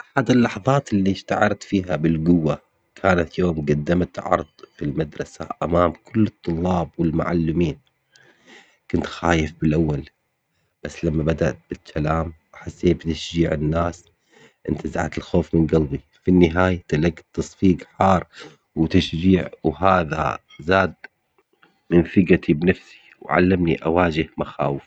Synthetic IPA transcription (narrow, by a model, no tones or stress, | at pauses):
ʔaħad̪ɪlːɑħɑðˤɑːt̪lːiʃt̪aʕɑɾˤɑt̪fiːɦabɪlɡʊwːa | kʰaːnat̪joːmɡad̪ːamat̪ʕɑ̰ɾˤðˤfilmad̪ɾˤɑsa̰ʔamaːmkʰʊlːɨt̪ˤːʊlːɑːbwɪlma̰ʕa̰lːɪmiːn | kʊnt̪xaːjɪfbɪlʔawːal | b̥asːlamːabad̪aʔt̪̚b̥ɪstʰːalaːmʔaħasːeːbt̪aʃd͡ʒiːʕɪnːaːs | ʔɪnt̪ʰazaʕa̰t̪ɪlxoːfmɪnɡalbi | finːɪɦaːjat̪alaɡt̪ːɑsˤfiːɡħɑːrˤ | wt̪aʃd͡ʒiːʕwɦaːða̰ | zaːd̪ | mɪnfɪɡat̪ʰibnafsi̥ | wʕa̰lːamniʔawaːd͡ʒɪhmaxa̰ːwɪf